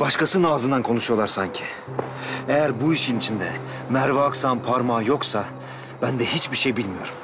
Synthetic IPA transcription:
b̥aʃkasɯnaːzɯnd̪ankʰo̞nuʃujo̞lˠaɾsaɲcʰi | ejæɾbuiʃinit͡ʃʰind̪ɛ | mæɾvaːksanpʰaɾmaːjo̞ksa | bænd̪ɛhit͡ʃbiɾʃe̞jbilʲmijo̞ɾum

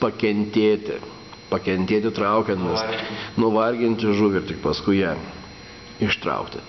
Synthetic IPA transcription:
pɐkʲɛnʲt̪ʲeːt̪ʲɪ̰ | pɐkʲɛnʲt̪ʲeːt̪ʲɪt̪ɾɐʊkʲɛnt̪ʲɪsnʊʋɐrʲɡʲɪnʲt̪ʲɪʒuːʋʲɪrt̪ʲɪkpɐskʊɪjæ | ɪʃt̪ɾɐ̰ʊkt̪ʲɪ

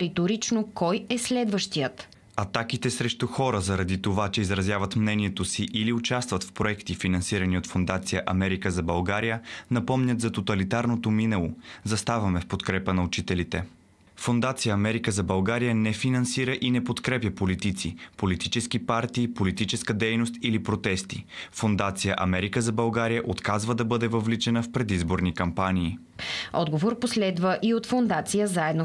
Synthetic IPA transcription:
ɾit̪oɾit͡ʃnokɔjɛslɛd̪vəʃt̪ijət̪ | ɐt̪akit̪ɛsɾɛʃt̪uxɔɾəzɐɾɐd̪it̪ovat͡ʃɛizɾɐzjavɐt̪mnɛniɛt̪osiʔiliʊt͡ʃast̪vət̪fpɾoɛkt̪ifinɐnsiɾəniot̪fond̪at̪sijəʔɐmɛɾikəzɐbɐlˠɡaɾijənɐpɔmnʲət̪zɐt̪ot̪ɐlit̪aɾnot̪ominɛlˠozɐst̪avɐmɛfpot̪kɾɛpənɐʊt͡ʃit̪ɛlit̪ɛ | fond̪at̪sijəːmɛɾikəzɐbɐlˠɡaɾijənɛfinɐnsiɾəʔinɛpot̪kɾɛpʲjəpolit̪it̪sipolit̪it͡ʃɛskipaɾt̪iːpolit̪it͡ʃɛskəd̪ɛjnost̪ilipɾot̪ɛst̪ḭfond̪at̪sijəʔɐmɛɾikəzɐbɐlˠɡaɾijəʔot̪kazvəd̪ɐbɤd̪ɛvəvlit͡ʃɛnəfpɾɛd̪izboɾnikɐmpaniː | ɔ̰d̪ɡovoɾposlɛd̪vəʔiot̪fond̪at̪sijəzaɛd̪no

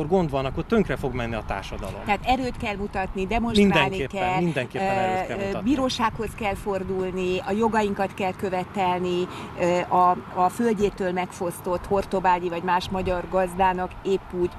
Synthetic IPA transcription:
orɡo̞nd̪ʋɒnɒkːo̞rt̪øŋkrɛfo̞ɡmɛnːiɒt̪a̰ːrʃɒd̪ɒ̰lo̞̰mɛɦːt̪ɛɾøːt̪kɛlmut̪ɒt̪nid̪ɛmo̞nʃminrad̪ɛlniekɛlmind̪ɛŋkeː | biːɾoːʃaːkho̞skɛlfo̞rd̪ulniɒjo̞ɡɒjiŋkɒt̪kɛlkø̞vɛt̪ɛlni | ʔɒːfø̞lɟeːt̪øːlmɛkfo̞st̪o̞t̪ho̞rt̪o̞baːɟivɒɟmaːʃmɒɟɒrɡɒzd̪aːnɒkeːpːuːɟ

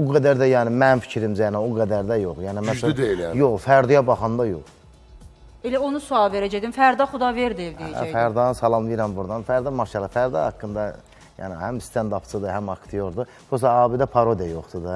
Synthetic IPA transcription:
buɡæd̪æɾd̪æjæːnimænfi̥cʰiɾimd͡ʒænioɡæd̪æɾd̪æjoχjaːnimæsæljoχfæɾd̪ujɑbɑχɑnd̪ɑjo̰χ | elæonusuɑlˠveɾæd͡ʒed̪imfæɾd̪ɑχud̪ɑveɾd̪ieled͡ʒ̰fæɾd̪ɑːnɯsɑlˠɑmviɾæmbuɾd̪ɑnfæɾd̪ɑmɑʃɑlˠɯfæɾd̪ɑ̰hɑ̰kːɯnd̪ɑ | jæ̰ːnɪhæmst̪ʰænd̪ɑpt͡sʰɯd̪ɯɦæmɑkt̪ʰijoɾd̪u | b̥us̬ɑɑːbid̪æpʰɑɾod̪ijajoχt̪ud̪ɑ

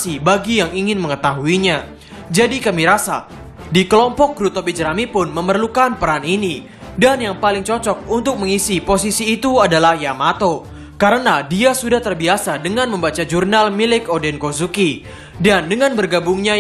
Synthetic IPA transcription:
sibaɡijaŋiŋɪnməŋət̪aɦuiɲa | d͡ʒadikamiɾasa̰ | dikəlɔmpɔk̚ɡɾut̪obid͡ʒəɾamipʊnməmərlukanpəɾanini | danjaŋpalɪŋt͡ʃɔt͡ʃɔk̚unt̪ʊk̚məŋisiposisiːt̪uadalahjamat̪o | kaɾənadiasudaht̪ərbiasadəŋanməmbat͡ʃad͡ʒurnalmilɪkodɛnkozuki | dandəŋanbərɡabuŋɲa

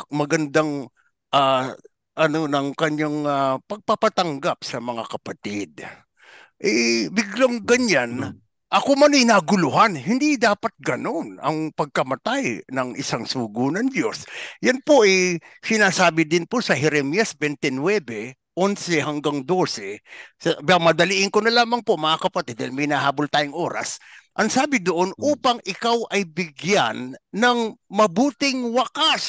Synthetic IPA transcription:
mɐɡɐnd̪aŋ | ʔa | ʔɐno̞nɐŋkɐɲːaŋapɐɡ̚pɐpɐt̪ɐŋɡap̚sɐmɐŋakɐpɐt̪ɪd̪̚ | ʔɛbɪɡloŋɡɐɲan | ʔɐkomɐnɐjnaːɡʊlʊɦanhɪnd̪id̪aːpɐt̪̚ɡɐno̞nɐ̰ŋpɐɡ̚kɐmɐt̪ajnɐŋɪ̰saŋsuːɡʊnɐŋdo̞sjanpoʔɐjsɪnaːsaːbɪd̪ɪnpo̞sɐhɛɾɛmjɐsbɛnt̪ɛnwɛbɛ | ʔonsɛhɐŋɡaŋd̪o̞ːsɛsɐbamɐd̪ɐliʔɪŋkonɐlaːmɐŋpoʔmɐŋakɐpɐt̪ɛd̪ɐlmɐjnɐhaːbolt̪aːjʊŋʔo̞ːɾɐ̰sʔɐŋsaːbɪd̪oʔonʔuːpɐŋʔɪkawʔɐjbɪɡja̰nːɐŋmɐbuːt̪ɪŋwɐkas

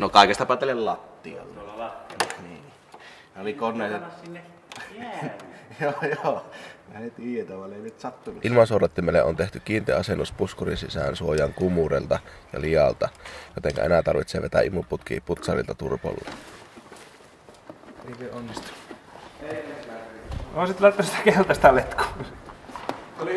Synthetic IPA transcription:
nokɑˑikest̪ɑpɑˑt̪ːelellɑt̪ːiɑ̰lːɑ | niːn | næolikonːˑeˑiset̪ː | joːjoːæt̪iːet̪æʋɑˑleˑinet̪sɑt̪ːunuʔilmɑnsorɑt̪ːimelːḛʔont̪eht̪ykiːnt̪eɑsenːuspuskorinsisæ̰ˑnsuojɑŋkumurelt̪ɑjɑ̰lijɑlt̪ɑjot̪eŋkæ̰enæt̪ɑrʋit̪seːʋet̪æ̰ʔimuput̪k̟ḭːput̪sɑrḭlt̪ɑt̪urpo̰lːɑ̰ | eikeonːist̪u̥ | osit̪lɑˑit̪ːɑsi̥t̪æ̥kelt̪ɑst̪ælet̪kuː

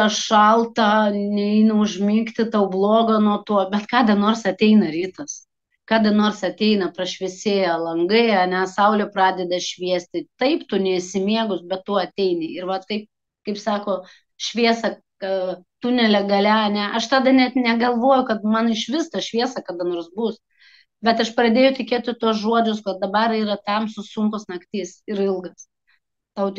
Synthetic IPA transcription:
t̪ɑʃɐlˠt̪ɐnʲɛɛɪnɐʊʒʲmʲiŋkt̪ʲɪt̪ɐʊblˠoːɡɐnuɔt̪uɔbʲɛt̪kɑːd̪ɐnoːrsɐt̪ʲɛɪnɐɾʲiːt̪ɐs | kɑːd̪ɐnoːrsɐt̪ʲɛɪnɐpɾɐʃʲʋʲɛsʲeːjɐlˠɐŋɡɐɪɐnʲɛsɐʊlʲɛpɾɑːd̪ʲɛd̪ɐʃʲʋʲiɛsʲt̪ʲɪt̪ɐɪpt̪ʊnʲɛɪsʲɪmʲiɛɡʊsbʲɛt̪tuɔɐt̪ʲɛɪnʲɪɪɾʋɐtkɐɪp̚ | kɐɪpsɑːkoː | ʃʲʋʲiɛsɐ | t̪ʊnʲɛlʲɛɡɐlʲɛɐnʲɛʔɐʃt̪ɑːd̪ɐnʲɛt̪nʲɛɡɐlˠʋoːjʊkɐt̪mɐnɪʃʋʲɪst̪ɐʃʲʋʲiɛsɐkɐd̪ɐnoːɾsbʊs | bʲɛt̪ɐʃpɾɐd̪ʲeːjʊt̪ʲɪkʲeːt̪ʲɪt̪uɔs̬ʒuɔd͡ʒʲʊs̬kɐt̪̚d̪ɐbɐɾiːɾɐt̪ɐmsʊsʊŋkosnɐkt̪ʲiːsɪɾɪlˠɡɐs | t̪ɐʊtʲ

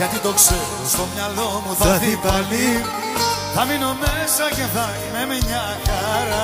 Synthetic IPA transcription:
ɐt̪it̪o̞kseɾost̪o̞mɲɐlomuθɐɐtipali | θɐmino̞mesɐceθɐ | memeɲɐ | xɐɾɐ

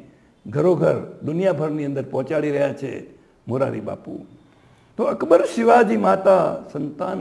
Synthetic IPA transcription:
ɡʱəɾoɡʱəɾd̪ʊnijabʱəɾniənd̪əɾpɔ̃ɦɔ̃t͡ʃaɽiɾəɦjat͡ʃʰḛ | moɾa̰ɾḭba̰pṵ | t̪oəkbəɾʃɪʋad͡ʒimat̪asənt̪an

